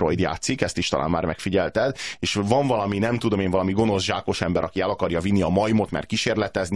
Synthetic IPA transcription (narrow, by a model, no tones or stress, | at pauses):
ɾojd̪ja̰ːt̪sikɛst̪iʃt̪ɒlʔa̰ːmma̰ːrmɛkfiɟɛlt̪ɛd̪eːʃvɒɱvɒlɒminɛmt̪ud̪o̞meːɱvɒlɒmiɡo̞no̞zʒaːko̞ʃɛmbɛɾɒkiɛlɒkɒrjɒvinːiɒmɒjmot̪mɛ̰rkiʃeːrlɛt̪ɛzni